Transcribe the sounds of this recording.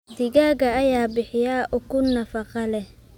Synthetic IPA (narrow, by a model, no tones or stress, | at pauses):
d̪ɪɣaːɣɐːjaːbɪħɪjaːʔʊkʰʊnɐfɑqɑlɛh